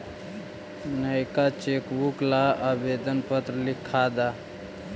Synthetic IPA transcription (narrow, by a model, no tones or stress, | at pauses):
nəjkat͡ʃekbuklaabed̪ənpət̪ɾəlikʰːad̪a